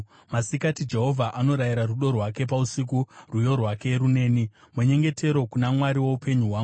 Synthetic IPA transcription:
masikatid͡ʒe̞ɦo̞vʱaʔano̞ɾajiɾaruɗo̞rwake̞pausik̬urujo̞rwake̞ɾune̞ːni | meɲe̞ŋɡe̞tʰe̞ɾo̞kunamwaɾiwo̞upe̞ɲuɦwaːŋɡu

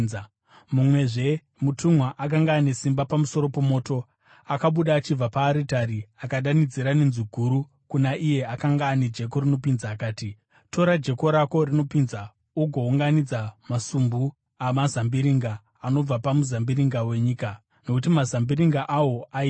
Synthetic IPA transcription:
mumwe̞ʐe̞ | mutʰumwaʔak̬aŋɡaːne̞simbapamuso̞ɾo̞po̞mo̞ːto̞ | akaɓuɗaːt͡ʃib͡vapaːɾitaɾiakaɗanid͡ziɾanenziɡʱuɾu | kunaʔije̞akaŋɡaːned͡ʒe̞ko̞rino̞pinzaːkaːti | to̞ɾad͡ʒe̞ko̞ɾako̞rino̞pinza | uɡʱo̞uŋɡanid͡zamasumbu | amazambiɾiŋɡaː | no̞b͡vapamuzambiɾiŋɡawe̞ɲiːka | no̞kutimazambiɾiŋɡaʔawo̞a

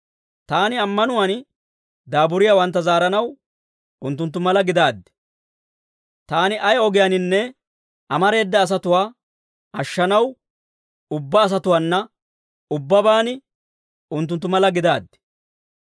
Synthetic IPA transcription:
t̪aːnɪɐmːɐnʊwan | d̪aːbʊɾɪjawɐnt̪̬ːɐzaːɾɐnɐw | ʊnt̪̬ːʊnt̪̬ːʊmɐlɐɡɪd̪aːd̪ːɛ̥ | t̪aːnɪʔɐjɔɡɪjaɐnɪnːɛ | ɐmɐɾe̞ːd̪ːɐːs̬ɐt̪ʊwaː | ɐʃːɐnɐw | ʊbːɐːs̬ɐt̪ʊwaːnːɐ | ʊbːɐbaːnɪ | ʊnt̪ːʊnt̪ːʊmɐlɐɡɪd̪aːd̪ːɪ̥

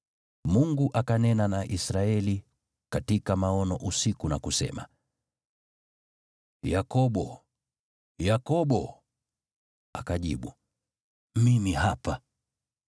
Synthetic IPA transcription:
muŋɡuʔakanɛnanaʔisɾaɛli | katikamaɔnɔʔusikunakusɛ̰ma̰ | jakɔɓɔ | jakɔɓɔ | a̰kaʄḭɓu | mimihapa

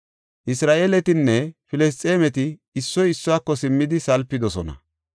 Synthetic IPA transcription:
ʔɪsɾaːʔeːlɛt̪ɪnːɛfɪlɛs̬t̪ʼeːmɛt̪ɪːsːɔjɪsːʊwaːkːɔsɪmːɪd̪ɪsɐlpːɪd̪ɔsɔnɐ̰

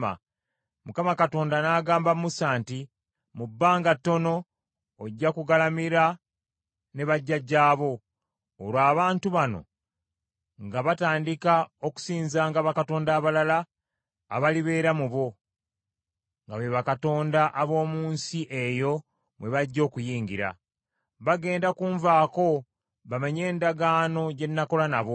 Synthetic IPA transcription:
a̰ | mukamakato̞ːndanaːɡaːmbamumusaːnti | mubːaːŋɡatːo̞no̞ː | ɟːakuɡalamiɾa | ne̞βaɟːaɟːaːβo̞ː | ɾwaːβaːntuβano̞̰ | ŋɡaβataːndikao̞ku̥siːnzaːŋɡaβakato̞ːndaːβalalaː | βaliβe̞ːɾamuβo̞ | ŋɡaβeβakato̞ːndaʔaβo̞ːmuːnsiʔe̞jo̞ | mwe̞βaɟːo̞ːkujiːŋɡiɾa̰ | βaɡe̞ːndakuːɱvaːko̞ | βamaɲe̞ːndaɡaːno̞ɟe̞nːako̞lanaβo̞

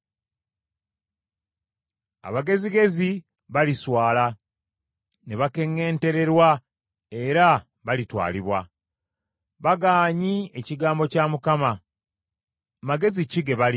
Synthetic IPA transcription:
a̰βaɡe̞ziɡe̞zi | βaliswaːla | neβake̞ŋːe̞ːnte̞ɾe̞ɾwa | e̞ɾa | βalitwa̰ːliβwa | βaɡaːɲie̞ciɡaːmbo̞camukama | maɡe̞ziciɡe̞βali

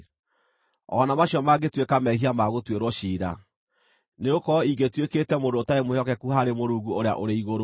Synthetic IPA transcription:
ɔ̰namaɕjɔmaɡetwekamɛhiamaɣotweɾwɔɕiːɾa̰ | neokɔiɡetweketɛmodoːtaemohjɔkɛkuhaɾemoɾuːɡuoɾeja̰ʔoɾeiɣoɾo

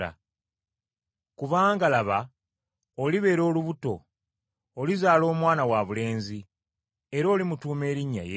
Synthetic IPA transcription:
a̰ | kuβaːŋɡalaβa | oliβe̞ːɾo̞ːluβuto̞̰ː | lizaːlo̞ːmwaːnawaβule̞ːnzi | e̞ɾo̞ːlimutuːme̞ːɾiɲːa̰je

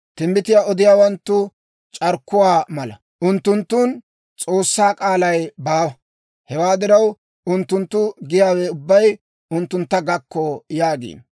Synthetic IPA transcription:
t̪ɪmːbɪt̪ɪjaːʔɔd̪ɪjaːwɐnt̪ːʊ | t͡ʃʼɐɾkːʊwaːmɐlɐ̰ | ʔʊnt̪ːʊnt̪ːuːn | t͡sʼo̞ːsːaːkʼaːlɐjbaːwɐ | hɛwaːd̪ɪɾɐw | ʔʊnt̪ːʊnt̪ːʊɡɪjaːwɛʊbːɐj | ʔʊnt̪ːʊnt̪ːɐɡɐkːɔjaːɡḭː

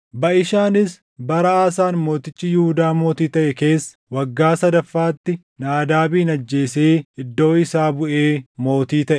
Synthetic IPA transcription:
bɐʔɪʃaːnɪs | bɐɾɐaːsaːnmo̞ːt̪ɪt͡ʃʼːɪjɪhʊd̪aːmo̞ːt̪iːt̪ɐʔɛke̞ːsːɐwɐɡːaːsɐd̪ɐfːaːt̪ːɪ | naːd̪aːbiːnɐd͡ʒːe̞ːseːɪd̪ːo̞ːɪsaːbʊʔeːmo̞ːt̪iːt̪ɐʔɛ

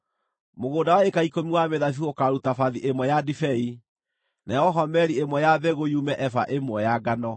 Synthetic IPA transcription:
moɣoːdawaekaikomiwameðafiokaɾutafaðiʔemwɛjadifɛi | najɔɦɔmɛɾiemwɛjaβɛɣojumɛʔɛfa̰ʔemwɛjaɡanɔ

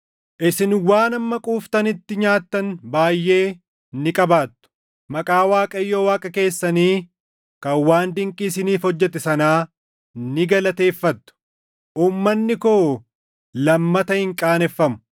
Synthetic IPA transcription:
ʔɪsɪnwaːnɐmːɐkʼuːft̪ɐnɪt̪ːɪɲaːt̪ːɐnbaːjːe̞ː | nɪkʼɐbaːt̪ːʊ̥ | mɐkʼaːwaːkʼɐjːoːwaːkʼɐke̞ːsːɐniː | kɐwaːnd̪ɪŋkʼiːs̬ɪniːfhɔd͡ʒːɛt̪ɛsɐnaː | nɪɡɐlɐt̪e̞ːfːɐt̪ːʊ̥ | ʔuːmːɐnːɪkoː | lɐmːɐt̪ɐhɪŋkʼaːnɛfːɐmʊ̥

